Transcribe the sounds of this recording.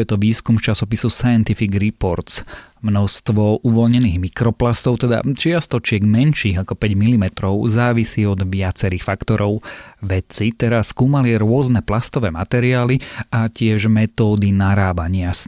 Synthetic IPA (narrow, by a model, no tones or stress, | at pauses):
jɛt̪ɔʋiːskumft͡ʃasɔpisusajɛnt̪ifiɡɾipɔɾt̪smnɔst̪ʋɔʔuʋɔlɲɛniːɣmikɾɔplast̪ɔʊt̪ɛd̪a̰t͡ʃɪast̪ɔt͡ʃɪɛɡmɛnʃiːɣakɔpɛɟmilimɛt̪ɾɔʊzaːʋisiːɔd̪ʋɪat͡sɛɾiːxfakt̪ɔɾʔɔʊʋɛt͡sit̪ɛɾasːkuːmaliaɾʊɔznɛplast̪ɔʋɛːmat̪ɛɾiaːliacɪɛʒmɛt̪ɔːd̪inaɾaːbaɲɪas